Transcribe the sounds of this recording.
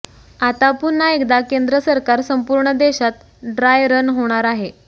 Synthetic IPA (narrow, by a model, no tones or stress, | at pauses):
at̪apuɾnːaekd̪akend̪ɾəsəɾkaɾsəmpuɾɳəd̪eɕat̪̚ | ɖɾajɾənɦoɽ̃aɾaɦe